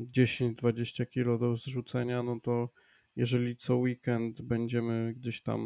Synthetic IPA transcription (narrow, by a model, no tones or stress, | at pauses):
d͡ʑeɕeɲd͡ʑd̪vad͡ʑeɕt͡ɕakʲilɔd̪ɔzʐut̪sɛɲanɔt̪ɔ | jɛʐɛlʲit̪sɔwikɛnt̪bɛɲd͡ʑɛmɘɡd͡ʑeɕt̪a̰m